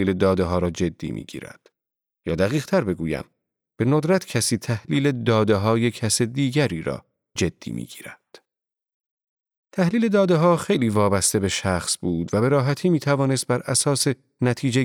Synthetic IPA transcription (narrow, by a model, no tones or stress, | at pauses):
iːled̪ɒːd̪eɦɒːɾɒːd͡ʒe̞d̪̥ːḭːmḭːɟ̥ḭːɾæ̰d̪̥ | jɒːd̪æɣiːɣt̪ʰæɾbe̞ɡuːjæ̰m | b̥e̞nod̪ɾæt̪ʰcʰæsiːt̪ʰæhliːle̞d̪ɒːd̪e̞ɦɒːje̞cʰæsed̪iːɟæɾiːɾɒ̰ː | d͡ʒe̞d̪̥ːḭːmʔḭːɟḭːɾæd̪̥ | t̪ʰæhliːle̞d̪ɒːd̪eɦɒːxe̞jliːvɒːbæst̪e̞be̞ʃæχsbuːd̪væbe̞ɾɒːɦæt̪ʰiːmiːt̪ʰævɒːne̞st̪̚bæɾʔæsɒːse̞ | næt̪ʰiːd͡ʒe